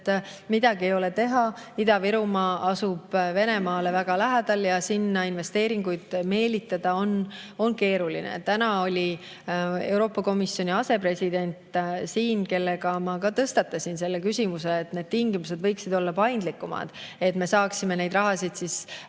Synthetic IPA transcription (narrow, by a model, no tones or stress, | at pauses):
t̪ːmid̪̥ɑɡiejo̞let̪e̞ɦɑid̪̥ɑviɾumɑɑsub̥ve̞ne̞mɑːle̞væɡ̥ɑlæɦæd̪̥ɑljɑsinːɑinve̞st̪eːɾiŋɡujd̪̥me̞ːlit̪ːˑɑd̪̥ɑo̞no̞nke̞ːɾulinḛt̪ːænɑo̞lʲi | e̞wɾo̞ːpːˑɑko̞misːjo̞nʲiɑse̞pre̞sʲid̪̥e̞nʲt̪siːnke̞lːe̞ɡɑmɑkɑt̪ɤst̪ɑt̪ːˑɑsʲinse̞lːekysʲimuseːt̪ne̞ːd̪̚t̪iŋɡimuse̞d̪vɤjksid̪o̞lːɑpɑjnd̪likːˑumɑ̰d̪̥e̞t̪me̞sɑːksime̞ne̞jd̪rɑɦɑsid̪̥sis